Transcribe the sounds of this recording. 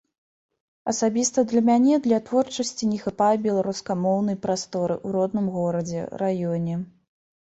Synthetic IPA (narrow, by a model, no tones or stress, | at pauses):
ɐsabʲist̪ɐd̪lʲɐmʲanʲɛd̪lʲɐt̪vɔrt͡ʂɐsʲt͡sʲinʲɛxɨpajbʲɛlˠaɾuskamɔwnɐjpɾast̪ɔɾɨʔuɾɔd̪nɨmɣɔɾɐd͡zʲɛ̰rajɔnʲɛ